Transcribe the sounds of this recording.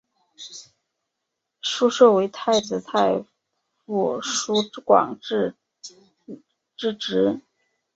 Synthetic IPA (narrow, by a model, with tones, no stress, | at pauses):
ʂu˥ʂɤ˥˩we˧˥ɪt̪ʰa˥˧˩ɪt͡sɹ̩˧˥t̪ʰa˥˩ɪ | fuu˥˩ʂu˥kwɑ̰˨˩ŋ˥˧ | ʈ͡ʂɻ̩˥˩ʈ͡ʂɻ̩˧˥